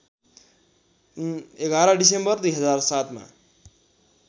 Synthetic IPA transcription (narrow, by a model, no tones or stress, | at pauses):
eɡaɾʌ̃ɖisembʌrd̪ujɦʌd͡zarsat̪ma̰